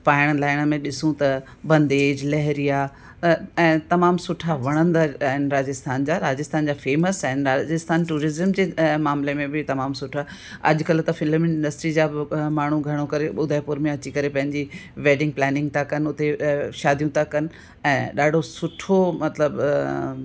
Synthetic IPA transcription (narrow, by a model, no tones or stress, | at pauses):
paːɪɽ̃laːɪɽ̃əmẽɗɪsũt̪ɐ | bɐ̃nd̪eːd͡ʑlɛɦɾija | ɛ̃ːt̪ɐmaːmsʊʈʰaʋɐɽ̃ə̃nd̪aɦɪnɾaːd͡ʑɪst̪ʰaːnd͡ʑaːɾaːd͡ʑɪst̪ʰaːnd͡ʑaːfeːməsaɦɪnɾaːd͡ʑɪst̪ʰaːnʈuːɾɪzəmd͡ʑeːmaːmlemẽbɪt̪ɐmaːmsʊʈʰa | ɐ̰ʄʊkɐlt̪ɐfɪləmɪnɪ̃ɳɖəsʈɾid͡ʑaːmaːɳ̤ũɡʱɐɽ̤̃ukɐɾeɓʊd̪ʱaːɪpʊɾmẽɐt͡ɕikɐɾepɐ̃ɦɪ̃ɲd͡ʑiʋeːɖɪ̃ŋɡ̚plɛːnɪ̃ŋɡ̚t̪ʰakɐnʊt̪eʃaːd̪ʱijũt̪akɐnɪ̆ | ɛ̃ːɗaːɖʱosʊʈʰomɐt̪ləb